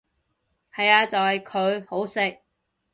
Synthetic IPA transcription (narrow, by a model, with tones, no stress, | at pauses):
hɐ˨jaː˧t͡sɐ˨whɐ˨jkʰɵ˨˧ɥho˨˥wsɪ˨k̚